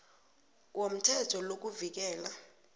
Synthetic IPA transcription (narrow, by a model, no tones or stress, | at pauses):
wom̩tʰɛtʰɔlok̬uvik̬ɛːla